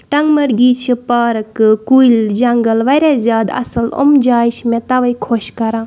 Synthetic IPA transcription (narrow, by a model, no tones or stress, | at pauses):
ʈɐŋɡmɐɾɡiːt͡ʃʰipaːɾɐkɨkuild͡ʒɐŋɡəlʋɐɾazjaːd̪ɐ̰sɐlo̰md͡ʒaːjʃmẽt̪ɐʋɐjkʰoʃkɐɾãː